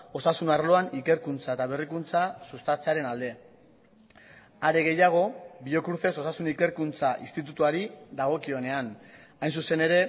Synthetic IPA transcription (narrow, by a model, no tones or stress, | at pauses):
o̞sasunarlo̞anike̞ɾkunt͡saet̪aβ̞erikunt͡sasust̪at͡seaɾe̞nald̪e̞ | aɾeɣe̞jaɣ̞o̞biʎo̞kuɾθe̞so̞sasunike̞ɾkunt͡saʔist̪it̪̬ut̪uaɾiðaɣ̞o̞kio̞ne̞anajns̬use̞ne̞ɾe̞